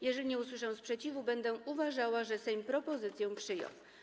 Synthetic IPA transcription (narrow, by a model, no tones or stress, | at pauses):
jɛʐɛlʲiɲɛuswɘʂɛw̃spʂɛt͡ɕivubɛnd̪ɛuvaʐawaʐɛsɛmpɾɔpɔzɘt̪sʲjɛ̃pʂɘjɔ̰̃w̃